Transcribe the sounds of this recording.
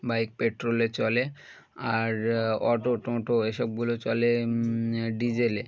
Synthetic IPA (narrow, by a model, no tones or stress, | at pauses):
bajk̚peʈɾolet͡ɕɔle | aɾɔʈoʈɔ̃ʈoeʃob̚ɡulot͡ɕɔle | ɖid͡ʑele